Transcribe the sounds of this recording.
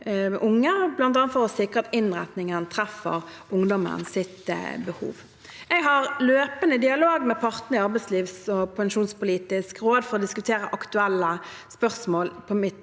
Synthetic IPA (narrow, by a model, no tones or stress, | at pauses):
ʔʊŋːəblɑnt̪ɑːnəfɔʁɔsɪkʁəɑt̪ɪnʁɛt̪nɪŋənt̪ʰʁæfə̰ʁ | ʊŋd̪ɔmə̰nsɪt̪bəhṵːʋ | ɛɡɦɑʁløːpənəd̪ɪɑloːɡmɛpʰɑʁt̪nəɪɑʁbɛɪsliːʋsɔpʰɛŋʃuːnspʊliːt̪ɪskʁoːd̪fɔɾʁɔd̪ɪskʉt̪ʰeːɾəʔɑkt̪ʉælːəspœʁsmoːlpʰɔmɪt̪